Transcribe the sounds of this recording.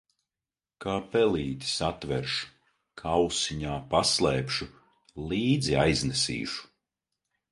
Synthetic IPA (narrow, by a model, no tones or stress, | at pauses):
kaːpɛlˠiːt̪i̥sat̪vɛɾʃu̥ | kʰawsiɲaːpaslˠɛːpʃu | lˠiːd̪ziajznɛsḭːʃu̥